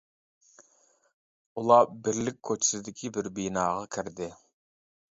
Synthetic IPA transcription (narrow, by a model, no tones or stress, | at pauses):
ulˠɑbɪɾlɪk̚ʲʰːøt͡ʃʰi̥sɪd̪ɪkʲʰibɪɾbijnɑːʁɑkʲʰɪɾd̪ɪ